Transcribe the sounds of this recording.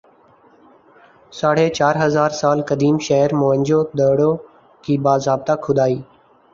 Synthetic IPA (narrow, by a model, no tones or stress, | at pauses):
saːɽ̤eːt͡ʃaːɾɦəzaːɾsaːlkəd̪iːmʃəɦəɾmoːɦə̃nd͡ʒoːd̪əːɽoː | kiːbaːzɾaːb̚t̪aːkʰʊd̪aːiː